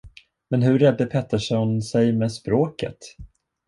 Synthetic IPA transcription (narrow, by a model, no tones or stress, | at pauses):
mɛnɦɵɾːɛd̪ːəpʰɛt̪ːəʂɔnsɛjmɛːspɾoːkə̰t̪